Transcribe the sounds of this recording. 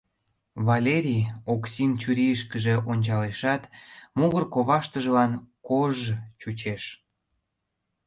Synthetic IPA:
βɑlʲeɾʲijoksint͡ɕyɾʲiəʃkəʒeʔonʲt͡ɕɑleʃɑt̪muɣərkoβɑʃt̪əʒəlɑnkoʒt͡ɕut͡ɕeʃ

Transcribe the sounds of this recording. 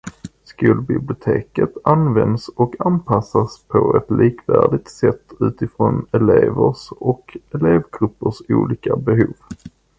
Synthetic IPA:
skuːlbɪblɪʊt̪ʰeːkət̪anvɛnd̪sɔkʰanpʰasaspʰɔɛt̪lʔiːkvæ̰ːɖɪt̪sɛt̪ːʉ̟ːt̪ɪfɾɔnɛleːvəʂɔkɛleːvɡɾɵpːəʂuːliːkabɛɦuːv

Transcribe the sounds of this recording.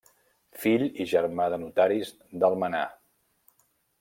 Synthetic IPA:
fiʎiʒəɾmaðənut̪aɾiz | d̪əlˠməna̰

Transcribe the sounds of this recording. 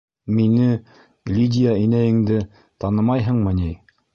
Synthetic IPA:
minɘ | lʲid̪ʲɪjainæjɘ̆ŋd̪ɘ | t̪ɑnɤmɑjɦɤ̆ɴmɤnij

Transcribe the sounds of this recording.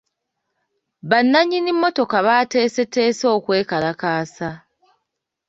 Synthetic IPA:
βanːaɲinimːo̞to̞kaβaːte̞ːse̞tːe̞ːso̞ːkwe̞ːkalakaːsa

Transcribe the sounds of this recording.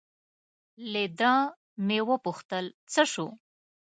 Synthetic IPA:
led̪ə̃ | mewəpuxt̪əlt͡səʂu

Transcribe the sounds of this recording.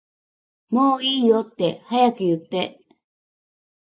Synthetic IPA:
moːiːjot̪ːe̞hajakɯ̟jɯt̪ːe̞

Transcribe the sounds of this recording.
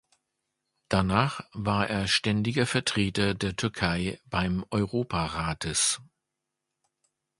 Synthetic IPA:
d̥anaːχvaːɐʔḛːɐʃtɛndɪɡɐfɛɐtʁ̥eːtɐdeːɐtʰʏɐkʰaɪb̥aɪmʔɔʏʁoːpʰaʁaːtʰəs

